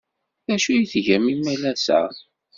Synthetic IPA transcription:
æʃujiθʝæmimːælæsæ̰

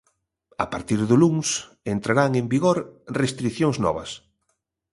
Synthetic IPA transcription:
a̰paɾt̪iɾðʊluŋs | ent̪ɾaɾaŋembiɣoɾrest̪ɾikθjoŋznɔ̰βɐ̰s

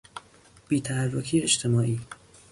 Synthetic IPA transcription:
b̥iːt̪ʰæhærːokʰiːet͡ʃt̪ʰemɒːʔiː

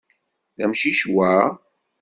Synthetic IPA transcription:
ðæmʃiʃwæ

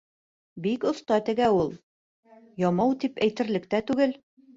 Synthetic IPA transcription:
bikŏθt̪ɑt̪ɘ̆ɡæulˠ | jɒmɑwt̪ipæjt̪ɘ̆ɾlɘ̆kt̪æt̪ʉɡɘl

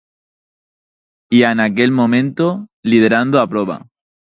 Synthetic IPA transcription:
ianakelmõmẽ̞nt̪oliðe̞ɾand̪oapɾoβa̰

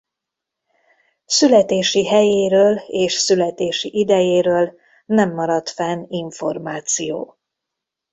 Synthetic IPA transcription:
sylɛt̪eːʃiɦɛjeːɾøːleːʃsylɛt̪eːʃiʔid̪ɛjeːɾøːl | nɛmːɒɾɒt̪fɛniɱfo̞rmaːt̪sijo̰ː

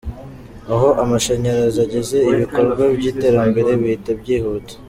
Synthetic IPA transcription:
aɦo̞ʔamaʃeɲeɾazaɟe̞ze̞iβiko̞ɾɡwabɟiːte̞ːɾambe̞ɾe̞βiitabɟiːhuːto̥

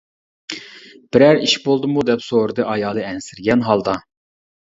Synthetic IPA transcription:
b̥ɪɾæɾiʃbolˠd̪ɨmud̪ɛpsoɾɨd̪ɨʔɑjɑːlˠɨɛnsɪɾɡʲɛnɦɑlˠd̪ɑ

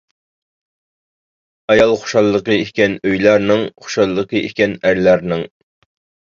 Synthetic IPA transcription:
ɑjɑlˠχo̥ʃɑlˠːəqəekʲɛnøjlˠɑɾnɨŋχo̥ʃɑlˠːəqʰəḛkʲɛnæɾlæɾnɪŋ

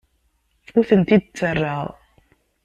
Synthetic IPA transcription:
uθənt̪id̪̚t͡sːərˤːɑʁ

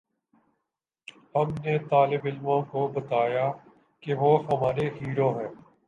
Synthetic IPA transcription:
hɐmnet̪aːlɪbɪlmõkobɐt̪aːjaː | keʋoːɦɐmaːɾeɦiːɾoːɦɛ̃ː

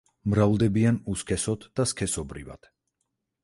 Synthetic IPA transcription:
mɾavlˠd̪ɛbianuskʰɛsɔt̪ʰd̪askʰɛsɔbɾḭva̰t̪ʰ

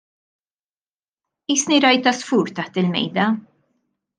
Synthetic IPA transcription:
iːsniɾɐjt̪ɐsfuːɾt̪ɐħt̪ɪlmɛ̰jd̪ɐ

